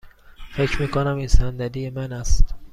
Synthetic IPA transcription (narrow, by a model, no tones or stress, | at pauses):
fe̞cʰɾmiːkʰonæmiːnsænd̪æd̪ijemænæst̪